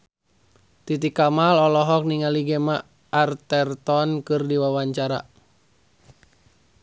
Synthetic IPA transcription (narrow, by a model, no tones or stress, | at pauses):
t̪it̪̬ikamalɔlɔɦɔk̚niŋaliɡɛmaː | rt̪ɛrt̪ɔnkɨrdiwawaɲt͡ʃaɾa̰